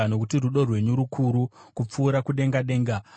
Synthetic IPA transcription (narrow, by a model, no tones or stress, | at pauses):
ano̞kutiruɗo̞rwe̞ɲuɾukʰuɾukup͡fuːɾakuɗe̞ŋɡaɗe̞ːŋɡa